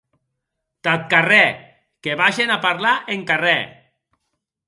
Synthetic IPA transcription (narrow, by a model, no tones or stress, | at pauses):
t̪at̪̚karɛ | keβaʒenapaɾlaʔeŋkarɛ